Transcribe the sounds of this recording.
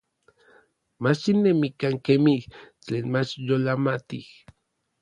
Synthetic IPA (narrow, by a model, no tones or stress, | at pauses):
mat͡ʃinːemikaŋkemiht͡ɬeːnmat͡ʃjolamat̪ih